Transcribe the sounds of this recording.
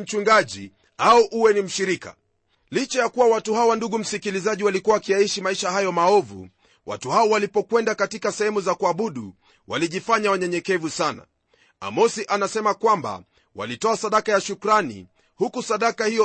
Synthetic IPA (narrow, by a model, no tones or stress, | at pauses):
m̩t͡ʃuŋɡaʄi | auʔuwɛnim̩ʃiɾika̰ | lit͡ʃajakuwawatuhawanduɠum̩sikilizaʄiwalikuwawakijaiʃimaiʃahajɔmaɔvṵ | wa̰tuhaɔwalipɔkwɛndakatikasɛhɛmuzakuaɓuɗṵ | waliʄifaɲawaɲɛɲɛkɛvusana̰ | a̰mɔsiʔanasɛmakwamba̰ | wa̰litɔasaɗakajaʃukɾanḭ | hukusaɗakahiɔ